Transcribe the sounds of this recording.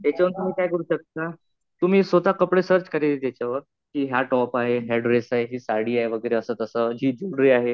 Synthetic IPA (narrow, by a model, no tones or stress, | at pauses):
t̪jat͡ɕaʋənt̪um̤iːkajɡuɾuːɕək̚t̪a | t̪um̤iːsʋəd̪akəpɽesəɾt͡ɕkəɾet̪at͡ɕaʋəɾ | kiːɦjaʈɔpaɦeɦeɽɾesaɦeɦiːsaɽ̤iːaɦeʋəɡəjɾeəsət̪əsəd͡ʑiːd͡ʑuɽɾiːaɦe